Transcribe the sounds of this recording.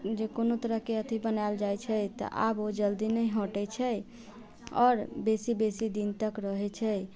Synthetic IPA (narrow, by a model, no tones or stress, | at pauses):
d͡ʒekonot̪əɾəɦkeət̪ʰibənald͡ʒajt͡ʃʰɛt̪ə̰ʔa̰bod͡ʒəld̪inəjɦõʈɛt͡ʃʰɛ | ɔːɾbesibesid̪int̪əkɾəɦɛt͡ʃʰɛ